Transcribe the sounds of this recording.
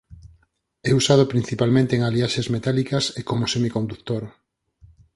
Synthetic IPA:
ɛusað̞ʊpɾin̟θipalmẽnt̪eːŋaliaʃezmet̪alikɐsekomosemikõnd̪ukt̪oɾ

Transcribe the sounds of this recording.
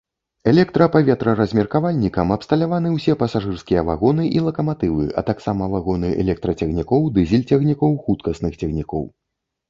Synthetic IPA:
ɛlʲɛkt̪ɾɐpavʲɛt̪ɾɐɾɐzʲmʲɛrkavalʲnʲikɐmɐpst̪ɐlʲavan̪ɨwsʲɛpɐsaʐɨrskʲijɐvaɣɔnɨʔilˠɐkɐmat̪ɨvɨ̰ʔɐ̰t̪aksamɐvaɣɔnɨʔɛ̰lʲɛk̚t̪ɾɐt͡sʲɛɣnʲikɔwd̪ɨzʲilʲt͡sʲɛɣnʲikɔwxut̪kɐsnɨxt͡sʲɛɣnʲikɔ̰w

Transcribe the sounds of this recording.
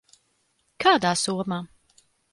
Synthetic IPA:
kʰad̪asoma

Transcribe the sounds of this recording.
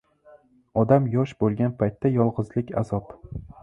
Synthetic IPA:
ɒd̪amjɒʃbolˠɡʲanpʰajt̪ʰːajɒlˠʁɨzlɪkʲa̰zɒp

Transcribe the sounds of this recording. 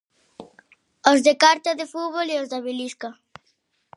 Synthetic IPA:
ozðekaɾt̪aðefuβoleozðaβiliska

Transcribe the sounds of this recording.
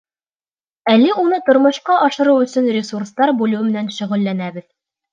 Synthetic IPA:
ælːɘunɤt̪ŏɾmŏʃqɑʔɑʃɤ̆ɾɤwɵ̆sɵnrʲɪsurst̪ɑɾbulɵwɘmɘ̆nænʃɵ̆ʁɵ̆lːænæbɘð

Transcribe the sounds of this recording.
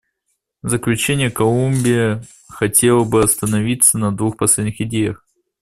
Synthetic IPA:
zəklʲʉt͡ɕenʲɪjəkɐlˠumʲbʲɪjə | xɐtʲe̞lˠəbɨɐst̪ənɐvʲit̪sənɐd̪vuxpɐsʲlʲedʲnʲɪxɪdʲejəx

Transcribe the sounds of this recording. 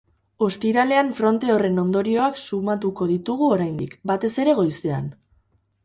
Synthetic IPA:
o̞st̪iɾale̞aɱfɾo̞nt̪e̞o̞re̞no̞nd̪o̞ɾio̞aksumat̪uko̞ðit̪uɣ̞uo̞ɾajnd̪ikbat̪e̞se̞ɾe̞ɣo̞jst̪ea̰n

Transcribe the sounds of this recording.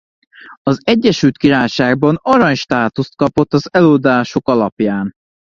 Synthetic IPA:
ɒzɛɟːɛʃylt̪kiɾaːjʃaːɡ̚bɒnɒɾɒɲʃt̪aːt̪ust̪̚kɒpo̞t̪ːɒzɛloːd̪aːʃo̞kɒlɒpjaːn

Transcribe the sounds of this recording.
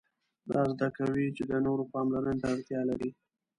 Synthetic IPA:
d̪ɑzd̪akawit͡ʃed̪ənoɾopɑmlaɾənt̪aaɽt̪jɑlaɾi

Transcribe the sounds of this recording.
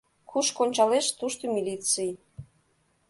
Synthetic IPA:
kʰuʃkonʲt͡ɕɑleʃt̪uʃt̪omʲilʲit̪t͡sɨj

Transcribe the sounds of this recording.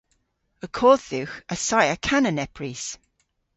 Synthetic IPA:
əkʰɔːððɪwxəsajəkʰanənɛpʰɹis

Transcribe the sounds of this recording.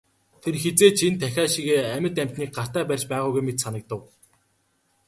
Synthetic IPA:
t̪ʰerxet͡seːt͡ɕʰent̪ʰæxʲaːʃiɣeːæmʲə̆t̪æm̥ʲt̪niːk̚ɢar̥t̪æːpærʲt͡ɕpæːʁʊːjɣujmet̪sanə̆k̚t̪ə̆w

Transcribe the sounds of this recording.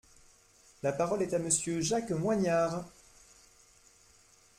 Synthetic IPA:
lapaʁɔlɛt̪aməsjøʒakmwaɲaːʁ

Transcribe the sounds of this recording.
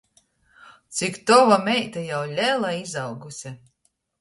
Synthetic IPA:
t̪sikt̪ɔvamʲɛjt̪ajawlʲɛlˠaizawɡusʲa

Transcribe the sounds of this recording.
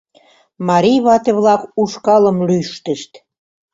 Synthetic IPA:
mɑɾijβɑt̪ĕβlɑkuʃkɑləmlyʃt̪əʃt̪

